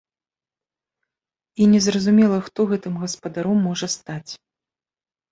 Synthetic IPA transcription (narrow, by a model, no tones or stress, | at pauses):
inʲɛzrɐzumʲɛlˠɐxt̪ɔɣɛt̪ɨmɣɐspɐd̪aɾɔmːɔʐɐst̪at͡sʲ